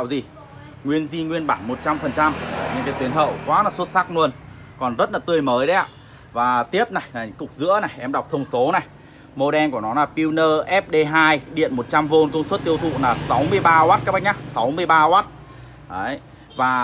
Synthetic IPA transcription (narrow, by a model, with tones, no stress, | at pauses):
a̰˧˨wzi˨˩ | ŋwi˧ənzi˧ŋwi˧ənɓaː˧˩nmo˨˩t̚t͡ɕa˧mfə˨˩nt͡ɕa˧m˩ɲɨ̰˧˥ŋkaː˨˦jt̪wi˨˦nɦə̰ː˧˨wkwaː˨˦naː˨˩swə˦˥t̚saː˦˥k̚nu˧ən | kɔ˨˩nzə˦˥t̚laː˨˩t̪ɨ˧˩əjməː˨˦jɗə˨˦ja̰ː˧˨ | vaː˨˩t̪i˦˥əp̚na˨˩jla˨˩ɨ̰˧˥ŋkʊ˨˩k͡p̚zɨ̰˧˥əna˨˩jʔɛ˧mɗa˨˩wk͡p̚t̪ʰə˧wŋ͡mso˨˦na˨˩j | mo˧ɗɛ˧nku˧˩ənɔ˨˦laː˨˩pi˧wnəː˧ʔɛ˦˥p̚ɗe˧ɦaː˧jɗḭ˧˨ənmo˨˩t̚t͡ɕa˧mvo˧nkə˧wŋ͡mswt̚t̪i˧əwt̪ʰṵ˧˨naː˨˩sa˨˦wmɨ˧əjɓaː˧ʔwaː˦˥t̚ka˦˥ɓa˦˥ɲa˦˥sa˨˦wmɨ˧əjɓaː˧ʔwaː˦˥t̚ | ʔə˨˦j | vaː˨˩